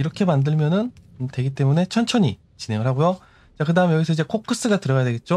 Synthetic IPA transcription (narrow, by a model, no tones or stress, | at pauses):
iɾʌkʰe̞mandɯɭmjʌnɯntwe̞ɡit͈e̞mune̞t͡ɕʰʌnt͡ɕʰʌɲi | t͡ɕine̞ŋɯɾɦaɡojo | t͡ɕakɯdaɦɯme̞jʌɡisʰʌid͡ʑe̞kʰok͈ʰːɯs͈ɯɡatɯɾʌɣajadweɡe̞t̚t͡ɕ͈o